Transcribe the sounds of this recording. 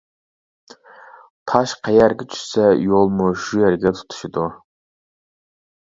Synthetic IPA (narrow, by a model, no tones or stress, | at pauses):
pʰɑʃqʰæjɛɾɡʲɛt͡ʃʰy̥ʃsɛjolˠmuʃujɛɾɡʲɛt̪ʰu̥t̪ʰu̥ʃid̪u